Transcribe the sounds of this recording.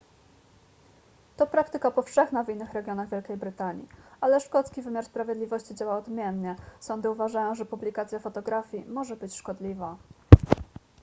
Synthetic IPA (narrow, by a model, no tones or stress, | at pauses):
t̪ɔpɾakt̪ɘkapɔfʂɛxnavinːɘxɾɛɡʲjɔnaɣvʲjɛlkʲejbɾɘt̪aɲḭalɛʂkɔt̪skʲivɘmʲjaɾspɾavʲjɛd̪lʲivɔɕt͡ɕid͡ʑawawɔd̪mʲjɛnɲɛsɔnd̪ɘuvaʐajɔ̃w̃ʐɛpublʲikat̪sjafɔt̪ɔɡɾafʲjimɔʐɛbɘt͡ɕʂkɔd̪lʲiva